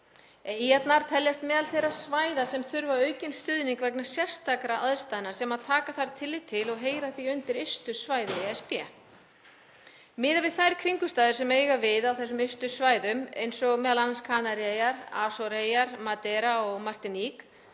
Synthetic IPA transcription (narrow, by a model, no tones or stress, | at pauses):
ijat̪naɾt̪ʰɛljast̪mɛːðalθejɾaðsvaːjðasɛmθʏɾvaœɥcɪnst̪ʏðniŋkvɛk̬nḁsjɛr̥st̪akɾaʔaðst̪aːðnasɛmaðt̪ʰaːkaθaɾ̥t̪ʰɪlːɪt̪ʰɪlɔɣɦeːjɾaθiʏnt̪ɪɾest̪ʏsvaːjðaiɛspjɛ | mɪːðavɪðθajɾkʰɾiŋkʏst̪aːðɪɾ̥sɛmejɣavɪðawθɛsːʏmɪst̪ʏsvaːjðʏmḛjnsɔɣmɛːðalanːanskʰaːnaɾejaɾa̰ːsɔɾejaɾmat̪ɛɾaɔɣmar̥t̪ɪnik